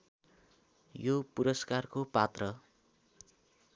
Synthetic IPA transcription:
jopuɾʌskarkopat̪rʌ

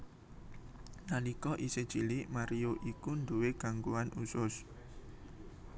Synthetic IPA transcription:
nalikɔʔised̥t͡ʃilimaɾioʔikund̪uweɡ̥a̤ŋkuanʔusʊs

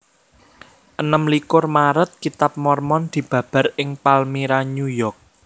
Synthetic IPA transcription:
ʔənəmlikʊrmaɾət̪̚kit̪ap̚mɔrmɔnd̪̥i̤b̥ä̤b̥a̤rʔɪŋpalmiɾaɲujɔrk̚

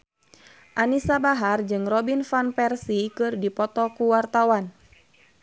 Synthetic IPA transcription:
ʔanisabaɦard͡ʒɨŋrɔbinfanpɛrsikɨrdipɔt̪ɔkuwart̪awan

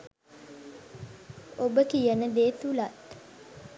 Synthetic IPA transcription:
obəkijənəd̪eːt̪ulat̪

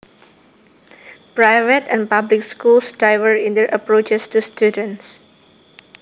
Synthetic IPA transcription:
pɹajvətɛ̃npablɪkskulsdɹajvəɹĩndɛɹʔəpɹot͡ʃɛstustjudə̃ns

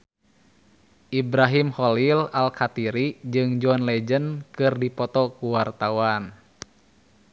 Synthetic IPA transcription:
ʔibɾaɦimhɔlilalkat̪iɾid͡ʒɨŋd͡ʒɔnlɛd͡ʒənkɨrdipɔt̪ɔkuwart̪awan

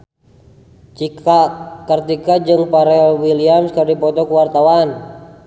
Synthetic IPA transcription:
t͡ʃikakərt̪ikad͡ʒɨŋpaɾɛlwiliamskərdipɔt̪ɔkəwart̪awan

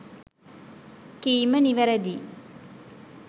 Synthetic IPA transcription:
kiːməniʋæɾæd̪iː

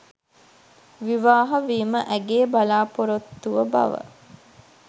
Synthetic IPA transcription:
ʋiʋaːɦɐʋiːməʔæɡeːbalaːpoɾot̪ːuʋəba̰ʋə̰

